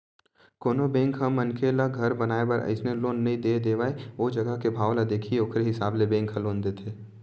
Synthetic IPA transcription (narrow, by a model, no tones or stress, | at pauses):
koːnobẽːŋkɦɐmːənkʰelaɡʱɐɾbɐnaːepɐɾʔə̰ɪsneloːnːɐɦĩd̪eːd̪eːʋaːeoːd͡ʒɐɡəɦkebʱaːwlad̪eːkʰioːkʰɾeɦɪsaːblebẽːŋkɦəloːnd̪eːt̪ʰeː